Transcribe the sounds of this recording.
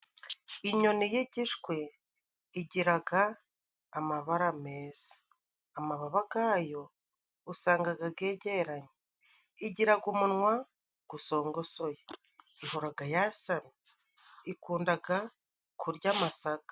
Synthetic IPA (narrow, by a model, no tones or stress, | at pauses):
iɲo̞nijiɟiʃkwe̞ | iɟiɾaɡaː | maβaɾame̞ːz̥ḁː | maβaβaɡaːjo̞ | usaːŋɡaɡaɡe̞ːɟeɾaɲe | iɟiɾaɡumunŋwa | ɡ̥uso̞ːŋɡo̞so̞je | ihoɾaɡajasami | ikuːndaɡa | kʰuɾɟaːmasaɡḁ